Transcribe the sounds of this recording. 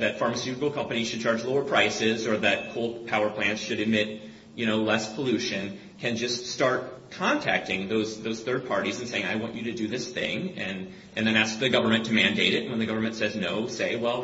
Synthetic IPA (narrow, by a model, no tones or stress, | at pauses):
ðɨtfɑɹmɨsjʉɾɪkl̩ˠkʰʌ̃mpɨniz̥ʃɨd̚t͡ʃʰɑɹd͡ʒloʊə˞pʰɹ̥aɪsɪzə˞ðɨt̚kʰoʊlˠpʰaʊə˞pʰl̥æ̃ntsʃɨɾɨd̚mɪt̚ | jɨñoʊlɛspʰəlʉʃɨ̃n | kʰɨ̃nd͡ʒʌststɑɹt̚kʰɑ̃ntʰæ̰k̚tɪ̃ŋðoʊzðoʊz̥θɜ˞d̚pʰɑɹɾiz̃n̩seɪɪ̃ŋaɪwɑ̰̃nt͡ʃɨɾɨdɨðɪsθɪ̰̃ŋɨ̃n | ʔɨ̃nðɨ̃ñæsk̚ðɨɡʌvə˞mɨ̃ntʰɨmæ̃ndeɪɾɪt̚wə̃nðɨɡʌvə˞mɨ̃ntsɛznoʊseɪwɛlˠ